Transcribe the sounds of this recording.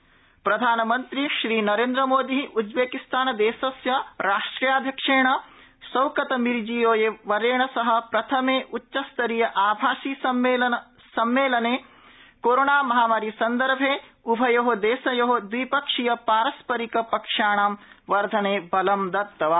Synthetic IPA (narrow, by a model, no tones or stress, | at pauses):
pɾɐd̪ʱaːnɐmɐnt̪ɾiʃɾiːnɐɾeːnd̪ɾɐmoːd̪iʔud͡ʒbeːkist̪ʰaːnɐd̪eːsɐsjɐɾaːʂʈɾijaːd̪ʱjɐkʂeːɳɐ | sɐwkɐt̪ɐmiɾd͡ʒijoːjeʋɐɾeːɳɐsɐɦɐ̆pɾɐt̪ʰɐmeːʔutːʃɐst̪ɐɾijɐʔaːbʱaːʃiːsɐmeːlɐɐ | sɐmːeːlɐneː | koːɾoːɳaːmɐɦaːmaːɾisɐnd̪ɐɾbʱeː | ubʱɐjoɦod̪eːsɐjoɦod̪ʋipɐkʂijɐpaːɾɐspɐɾikɐpɐkʂaːɳaːmʋɐɾd̪ʱɐneːbɐlɐmd̪ɐt̪ːɐʋaː